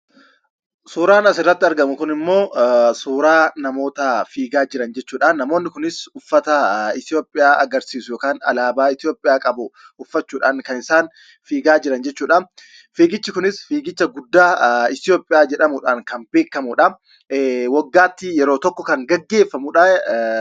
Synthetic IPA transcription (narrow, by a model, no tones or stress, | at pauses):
suːɾaːnɐsɪrːɐt̪ːɪɐɾɡɐmʊkʊnɪmːo̞ːsuːɾaːnɐmo̞ːt̪ɐfiːɡaːd͡ʒɪɾɐnd͡ʒɛt͡ʃːuːᶑanːɐmo̞ːnːɪkʊnɪsʊfːɐt̪ɐɪt̪jo̞ːpʼɪjaːʔɐɡɐɾsiːsʊjoːkaːnɐ̰laːbaːɪt̪ɪjo̞ːpʼːɪjaːkʼɐbʊ | ʊfːɐt͡ʃːuːᶑaːŋkɐnɪsaːn | fiːɡaːd͡ʒɪɾɐnd͡ʒɛt͡ʃːuːᶑan | fiːɡɪt͡ʃːɪkʊnɪsfiːɡɪt͡ʃːɐɡʊd̪ːaːɪt̪ɪjo̞ːpʼːɪjaːd͡ʒɛᶑɐmʊᶑaːŋkɐmbe̞ːkːɐmʊᶑɐ | wɐɡːaːt̪ːɪjɛɾo̞ːt̪ɔkːɔkɐŋɡɐɡːe̞ːfːɐmʊᶑaː